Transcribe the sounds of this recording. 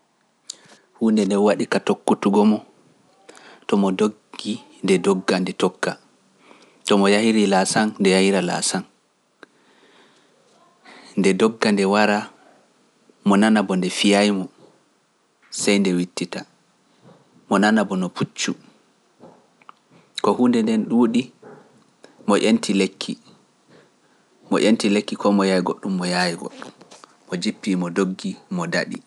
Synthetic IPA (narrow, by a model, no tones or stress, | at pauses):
huːndɛndɛwaɗikatokːutuɡɔmɔ | tɔmɔdoɡːi | ndɛdɔɡːandɛtɔkːa | tɔmɔjahiɾilasandɛjahiɾala̰san | ndɛdɔɡːandɛwaɾa | mɔnanabɔndɛfijajmɔ | sajndɛwitːita | mɔnanabɔnɔpʰut͡ʃːu | kɔhundɛndɛnɗuːɗi | mɔʔentʰilekʰːi | mɔ̰ʔentilekːikɔmɔjajiɡoɗːumːɔjajiɡo̰ɗːumː | ɔd͡ʒipːimɔdoɡːimɔda̰ɗi